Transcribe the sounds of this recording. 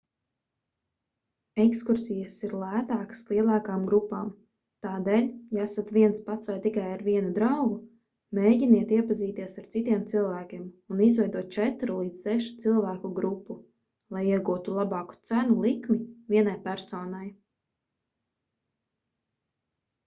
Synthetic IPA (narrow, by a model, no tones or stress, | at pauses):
ekskuɾsijəsiɾlˠæːt̪aːkə̥slˠiɛlˠaːkaːmɡɾupːaːm | t̪aːd̪eːlʲjaæsat̪viɛnspat̪svajt̪ikajaɾviɛnud̪ɾawɡu | meːɟiniɛt̪iɛpaziːt̪iɛsaɾt̪sit̪iɛmt̪silˠvæːkʲiɛmunizvɛjd̪uɔt̪̚t͡ʃɛt̪ɾulˠiːd̪zsɛʃu̥t̪silˠvæːkuɡɾupːu | lˠajiɛɡuːt̪ulˠabɑːku̥t̪sænulˠikmivʲiɛnajpæɾsɔːnaj